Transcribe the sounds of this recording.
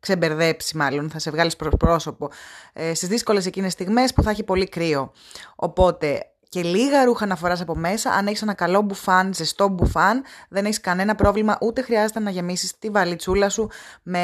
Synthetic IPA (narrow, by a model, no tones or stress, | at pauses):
kse̞be̞ɾðe̞psimɐlonθɐse̞vɣɐlispɾopɾo̞so̞po̞st̪izðisko̞le̞se̞cinest̪iɣme̞spuθɐçipo̞likɾio̞ | o̰po̞t̪e̞ | ce̞liɣɐɾuxɐːnɐfo̞ɾɐsɐpo̞me̞sɐ̰ʔɐne̞çisnɐkɐlo̞bufɐnzest̪o̞bufɐnðe̞neçiskɐne̞nɐpɾo̞vlimɐʔut̪e̞xɾiɐzet̪enɐʝe̞misist̪ivɐlit͡sulɐsume